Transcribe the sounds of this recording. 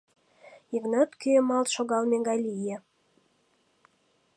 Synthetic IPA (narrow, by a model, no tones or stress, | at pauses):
ivnɑt̪kyemɑlt̪ʃoɣɑlmeɡɑjlʲije